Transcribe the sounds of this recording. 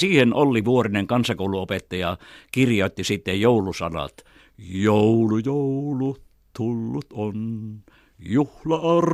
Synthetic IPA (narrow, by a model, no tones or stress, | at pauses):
siːhenʔolːiʋuorineŋkɑnsɑkoˑuluopet̪ːɑjɑkirjoˑt̪ːisit̪ːejjoulusɑ̰nɑ̰t̪ | joulujoulu | t̪ulːut̪on | juhlɑɑr